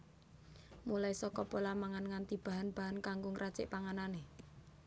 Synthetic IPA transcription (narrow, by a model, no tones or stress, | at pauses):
mulaisɔkɔpolamaŋanŋant̪ib̥a̤ɦanb̥a̤ɦankaŋɡʊŋrʔat͡ʃɪ̰ʔpaŋanane